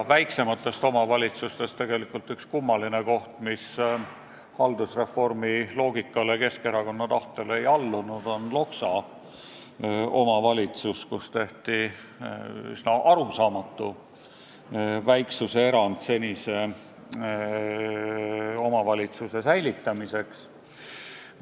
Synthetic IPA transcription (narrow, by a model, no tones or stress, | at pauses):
væjkse̞mɑt̪ːˑe̞st̪o̞mɑvɑlʲit̪sust̪e̞st̪e̞ɡ̥e̞likˑult̪ykskumːɑlineko̞ht̪mis | hɑld̪usre̞fo̞rmilo̞ːɡikːˑɑlekeske̞ɾɑko̞nːɑt̪ɑht̪ele̞jɑlːunud̪̥o̞nlo̞ksɑ | o̞mɑvɑlʲit̪suskust̪e̞ht̪i | y̰snɑʔɑɾusɑːmɑt̪ːu | væjksuse̞eɾɑnd̪̥se̞nʲise̞ | o̞mɑvɑlʲit̪suse̞sæjlit̪ːˑɑmise̞ks